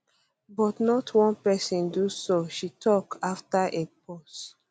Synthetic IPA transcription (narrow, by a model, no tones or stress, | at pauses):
bɔtnɔtʰwɔ̃npɛsĩndusoʃitʰɔkaftaʔep̚ɔs